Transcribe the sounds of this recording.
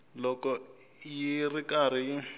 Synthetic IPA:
lɔkɔjirikaɾ̤i

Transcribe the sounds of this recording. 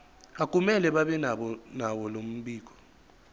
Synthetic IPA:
ak̬ʼumɛlɛɓaɓɛnaɓɔnawɔlom̩ɓiːk̬ʼɔ̥

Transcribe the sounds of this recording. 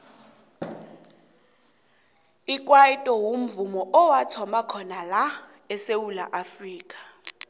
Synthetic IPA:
ikʼwaitʼɔwum̩vumɔʔɔwatʰɔmakʰɔnala | ɛsewula̰ʔafriːkʼḁ

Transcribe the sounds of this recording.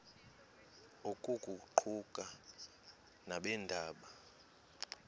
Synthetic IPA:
okʼukʼuǃʰukʼa | naɓɛndʱaːɓa

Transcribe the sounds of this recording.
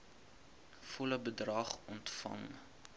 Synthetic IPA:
fɔləbədrɐχɔntfɐ̰ŋ

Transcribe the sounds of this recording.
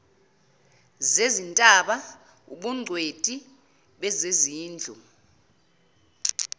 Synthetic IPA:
zezintʼaɓa | ṵɓuŋ͡ǀʱwed̥ʼi | ɓɛzeziːnd͡ɮʱu

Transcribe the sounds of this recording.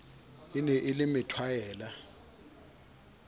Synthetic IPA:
inɛʔɪlɪmɪtʰwajɛːla

